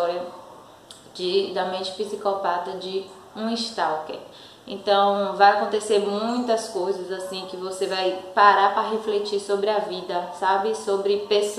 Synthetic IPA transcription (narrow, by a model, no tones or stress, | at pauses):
ɔɾjɐ | d͡ʒɪd̪ɐmẽʃpisikɔpat̪ɐd͡ʒɪ | ũiʃt̪awkḛ | ḛ̃t̪ɐ̃w̃vajakõnt̪eseɾmũj̃t̪ɐskojzɐzasĩkɪvosevajpaɾapɾɐɦeflet͡ʃiɾsobɾɪɐvid̪ɐsabɪsobɾɪpes